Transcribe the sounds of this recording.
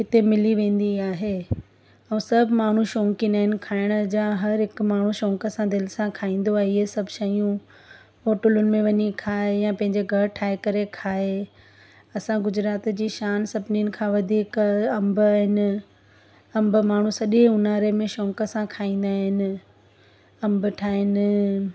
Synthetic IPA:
ɦɪt̪emɪliʋẽːn̆d̪iaːɦe | ɐ̃ːsɐbʱmaːɳ̤uʃõːŋkijənaːɦɪnɪ̆kʰaːɪɽ̃ʊd͡ʑaːɦɐɾɦɪkmaːɳ̤uʃɔ̃ːŋkəsãd̪ɪlɪsãkʰaːĩːn̆d̪oaːɦiesɐbʱʃɐjũ | foːʈʊlʊnɪ̆mẽʋɐɲikʰaːejãpɐ̃ɦɪ̃ɲd͡ʑeɡʱɐɽʈʰaːɪkɐɾekʰaːe | ɐsãɡʊd͡ʑɾaːt̪d͡ʑiːʃaːnsɐbʱniənɪ̆kʰãʋɐd̪ʱiːkɐmbaːɦɪnɪ̆ | ɐ̃mbəmaːɳ̤ũsɐʄeʊnaːɾemẽʃɔ̃ːŋkəsãkʰaːĩːn̆d̪aːɦɪnɪ̆ | ɐ̃mbʈʰaːɦɪnɪ̆

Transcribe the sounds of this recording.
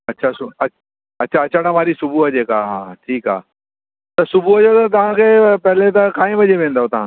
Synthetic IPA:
ɐtːɕʰasʊɐ | ɐtːɕʰaɐtːt͡ɕʰaɽãmaːɾisʊbʱuɦɐd͡ʑekaːɦãːʈʰiːka̰ː | t̪ɐsʊbʱuɦɐd͡ʑot̪ɐt̪ɐʋ̤ãkʰeːpɐɦɪlet̪ɐkãːĩʋɐd͡ʑeʋẽːnd̪aot̪ɐʋ̤ã

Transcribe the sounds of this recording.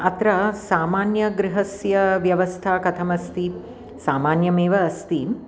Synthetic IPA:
ɐt̪ɾɐsaːmaːnjɐɡɾiɦɐsjɐʋjɐʋɐst̪ʰakɐt̪ʰɐmɐst̪i | saːmaːnjɐmeːʋɐːst̪i

